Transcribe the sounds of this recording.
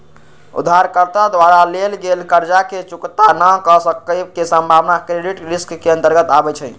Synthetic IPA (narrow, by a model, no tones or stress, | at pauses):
ṵd̪ʱːaɾkəɾt̪ad̪waɾalelɡelkəɾd͡ʒaket͡ʃukt̪anəkəsəkəkesə̃mbʱaʋnakɾeɖiʈɾiskːeə̃nt̪əɾɡət̪abɛt͡ʃʰɛ